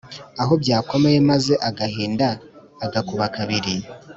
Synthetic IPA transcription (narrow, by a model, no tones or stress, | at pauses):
aɦo̞bɟaːko̞me̞je̞maze̞ʔaɡahiːndaː | ɡakuβakaβiɾi